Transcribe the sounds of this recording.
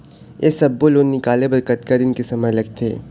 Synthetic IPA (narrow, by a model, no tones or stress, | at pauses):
jḛsɐbːoloːɡnɪkaːlebɐɾkət̪kɐɾɪnkesɐməjlɐɡ̚t̪ʰḛː